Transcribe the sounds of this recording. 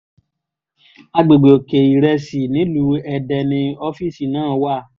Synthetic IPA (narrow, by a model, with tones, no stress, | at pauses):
a˧ɡ͡be˨ɡ͡be˨o˨ke˨i˨ɾɛ˧si˨nĩ˨˦lu˨˦ɛ˧dɛ˧nĩ˧o˦fi˦˨si˨nãː˦˨˦wa˦˨